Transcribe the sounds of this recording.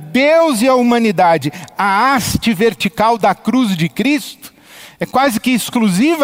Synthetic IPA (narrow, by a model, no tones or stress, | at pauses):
d̪ewzɪɐumɐ̃nid̪ad͡ʒɪɐast͡ʃɪveɾt͡ʃikawd̪ɐkɾuzd͡ʒɪkɾist̪ʊ̥ | ɛkwazɪkɪːskluzivɐ